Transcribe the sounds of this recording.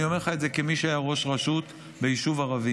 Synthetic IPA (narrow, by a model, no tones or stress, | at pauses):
iome̞χaetze̞kemiʃeajaʁo̞ʃʁaʃut | bejiʃuvaʁavi